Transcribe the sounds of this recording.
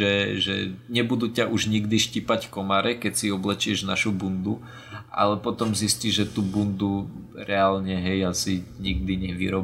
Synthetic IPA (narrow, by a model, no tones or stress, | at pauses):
ɛʒɛ̰ɲɛbud̪uːcaʔuʒɲiɡd̪iʃcipackɔmaɾɛkɛcsiɔblɛt͡ʃɪɛʒnaʃubund̪u | ʔa̰lɛpɔt̪ɔmzisciʒʒɛt̪uːbund̪u | ɾɛalɲɛɦɛjasiɲiɡ̚d̪iɲɛʋḭɾɔb